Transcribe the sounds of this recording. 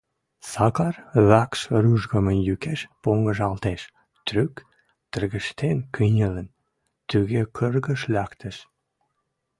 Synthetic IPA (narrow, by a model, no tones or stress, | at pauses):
sɑkɑrβækʃryʒɣəmənjykeʃpoŋɡəʒɑlt̪eʃ | t̪ɾyk | t̪ərɣəʃt̪enkɨnʲələn | t̪yɣekʰərɣəʃlʲækt̪ə̆ʃ